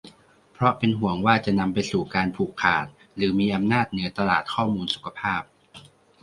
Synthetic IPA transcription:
pʰɾɔ˦˥pe˧nɦu˩˦əŋwaː˥˩t͡ɕa˨˩ʔna˧mpa˧jsuː˨˩kaː˧npʰuː˨˩kʰːaː˨˩t̪̚ | ɾɯː˩˦miː˧ʔa˧mnaː˥˩t̪̚nɯ˩˦ɐt̪a˧laː˨˩t̪̚kʰɔː˥˩muː˧nsu̥˨˩kʰa˧pʰaː˥˩p̚

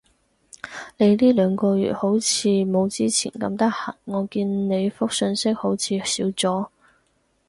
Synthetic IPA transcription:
ne˨˧jliː˥lœː˨˧ŋkɔː˧ɥy̰ː˨˩t̚ho˨˥wt͡sʰiː˨˧mo˨˧wt͡siː˥t͡sʰḭː˨˩nkɐ̰˧mt̪ɐ˥k̚hɐ˨˩ŋːɔː˨˧kiː˧nne˨˧jfʊ˥k̚sɵ˧nsɪ˥k̚ho˨˥wt͡sʰiː˨˧siː˨˥wt͡sɔː˨˥

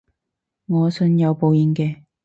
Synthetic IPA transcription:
ŋɔː˨˧sɵ˧˥njɐ˨˧wpo˨˧wji˧nkɛː˧

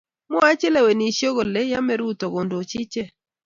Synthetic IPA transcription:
mɔ˦a˦t͡ʃɛ˦lɛ˨we˨ni˨ʃjo˦ɣo˨le˦ja˦mɛ˦ɾu˦t̪o˨ɡo˨ndo˨t͡ʃɪ˦t͡ʃe˦

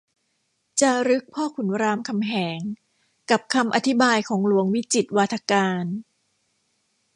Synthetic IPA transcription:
t͡ɕa˨˩ɾɯ˦˥k̚pʰɔː˥˩kʰu˩˦nɾaː˧mkʰa˧mɦɛː˩˦ŋ | ka˨˩p̚kʰa˧mʔa˧t̪ʰi˦˥baː˧jkʰɔː˩˦ŋlu˩˦əŋwi˦˥t͡ɕi˨˩t̪̚waː˧t̪ʰa˧kaː˧n

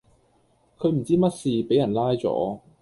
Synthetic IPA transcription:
kʰɵ˨˧ɥm̩˨˩t͡siː˥mɐ˥t̚siː˨pe˨˥jɐ˨˩nlaː˥jt͡sɔ̰ː˨˥

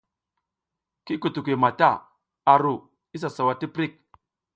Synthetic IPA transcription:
ki˦ku˨tu˨k̬ʷi˨ma˨ta˦˨ | a˨ɾu˨ | i˦s̬a˨sa˨wa˨ti˦pɾi˦˨k̚

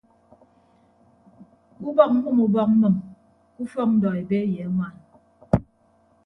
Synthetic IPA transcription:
ku˦bɔ˦k̩̚˦mu˦mu˨bɔ˦k̩̚˦mɨ˨m | ku˦fɔ˦ŋ̚n̩˦dɔ˨e˨be˦jɛ˨a˦ŋwa˦˨n

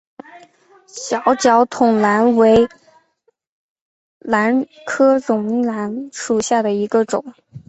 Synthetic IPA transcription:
ɕjɑ˧˥ʊt͡ɕjɑ˧˥ʊt̪ʰʊ˨˩ŋla˧˥nwe˧˥ɪ | la˧˥n | kʰɤ˥ɻʊ˨˩ŋla˧˥nʂu˨˩ɕja˥˩d̪ə˩i˧˥ɡə˧ʈ͡ʂʊ˨˩˦ŋ

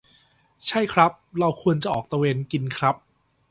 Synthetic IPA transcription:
t͡ɕʰa˥˩jkʰɾa˦˥p̚ɾa˧wkʰu˧ənt͡ɕa˨˩ʔɔː˨˩k̚t̪a˧weː˧nki˧nkʰɾa˦˥p̚

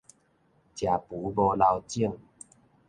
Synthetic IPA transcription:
t͡ɕja˨˩pu˨˦bɔ˧la˧wt͡ɕi˥˧˨ŋ

